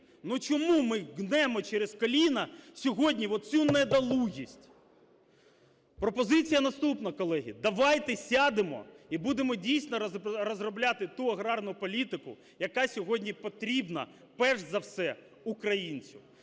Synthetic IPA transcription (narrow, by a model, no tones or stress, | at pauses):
nut͡ʃɔmumɪɣnɛmɔt͡ʃɛɾeskɔlʲinɐsʲɔɦɔdʲnʲiʋɔt̪̚t͡sʲunɛd̪ɐlˠuɦʲisʲtʲ | pɾɔpɔzɪt͡sʲijɐnɐst̪upnɐkɔlˠɛɦʲḭd̪ɐʋɑjt̪ɛsʲɑd̪ɪmɔ̰ibud̪emɔdʲijsʲnɔɾɔzrɔblʲat̪ɪt̪uɐɣɾɑrnʊpɔlʲit̪ɪkʊ̰ | jɐkɑsʲɔɦɔdʲnʲipɔt̪ɾʲibnɐ̰ | pɛʒzɐwsɛ | ukɾɐjinʲt͡sʲiw